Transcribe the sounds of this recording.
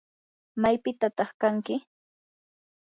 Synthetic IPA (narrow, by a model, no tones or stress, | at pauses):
majpɪt̪at̪ɑχkaŋkɪ